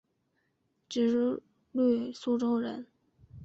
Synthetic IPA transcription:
ʈ͡ʂɻ̩˧˨˥ | le˥˩su˥ʈ͡ʂo˥ʊɻə̰˧˥n

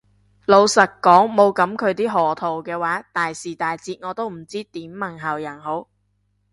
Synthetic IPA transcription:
lo˨˧wsɐ˨˩k̚kːɔː˨˥ŋmo˨˧wkɐ˨˥mkʰɵ˨˧ɥt̪̬iː˥ɦɔː˨˩t̪ʰo˨wkɛː˧waː˨˥t̪aː˨jsiː˨˩t̪aː˨jt͡siː˧t̚ŋɔː˨˧t̪o˥wm̩˨˩t͡siː˥t̪iː˨˥mːɐ˨˩ŋɦɐ˨˩wjɐ˨˩nho˨˥w

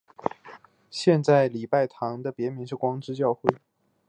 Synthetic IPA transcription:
ɕjɛ˥˧nt͡sa˥˩ɪli˨˩pa˥˩ɪt̪ʰɑ˧˥ŋd̪ə˧pjɛ˧˥mi˧˥ŋʂɻ̩˥˩kwɑ˥ŋʈ͡ʂɻ̩˥t͡ɕjɑ˥˧ʊxwe˥˩ɪ

